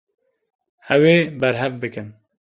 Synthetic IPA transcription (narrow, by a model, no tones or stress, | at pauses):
hɛweːbɛɾɦɛvbɨkɨn